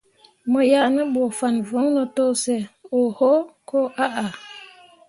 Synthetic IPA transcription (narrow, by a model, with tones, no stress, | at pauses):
mə˨ja˦˨ʔnə˦ɓwɔ˨fa˨nvo˨˦ŋnə˨to˦sɛ˨o˨ho˦ko˦ʔa˦ʔa˨